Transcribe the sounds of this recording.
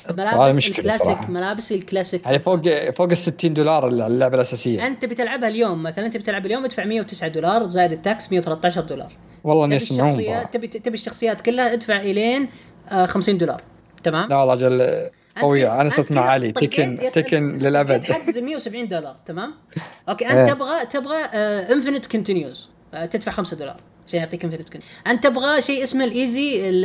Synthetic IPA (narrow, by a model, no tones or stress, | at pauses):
malaːhaːðamʊʃkɪllaːsɑɾɑɪkħmalaːbsilklaːsɪkhaːafoːɡfoːɡɪsːɪt̪ːiːnd̪uːlɑːɾˤlːʊʕbalʔasaːsɪjːaʔɪnt̪abt̪ɪlʕabhaljoːmːaθalaʔɪnt̪bt̪ɪlʕabaljoːmʔɪd̪faʕmɪjːawt̪ɪsʕad̪uːlɑːɾˤzaːjɪd̪ɪt̪ːaksmɪjːawθalat̪ːɑaːʃ̬ɑɾˤd̪uːlɑ̰ːɾˤ | wɑlˤːɑʔniʔasmːʕuːmːat̪ab̪ʔt̪abiʃːɑxsˤɨjːaːt̪kʊlːhaʔɪd̪faʕʔɪleːn | xamsiːnd̪uːlɑ̰ːɾˤ | t̪amaːmawlːˤɑd͡ʒal | ʔanɑwiʕaʔanasɑt̪maʕalit̪ˤɪkɪnat̪ɪkɪnlɪlʔabad̪azmɪjːawsabʕiːnd̪ulɑɾˤt̪amaːm | ʔokeːʔat̪ɪbɣat̪ɪbɣaʔɪnfɪnɪt̪kʊnt̪ɪnjuz | t̪ɪd̪faʕxamsad̪uːlɑ̰ːɾˤ | ʃaːjʊʕt̪ˤiːkɪmfɪnɪt̪kʔant̪ɪbɣaʃiːʔɪsmalʔiːziɪ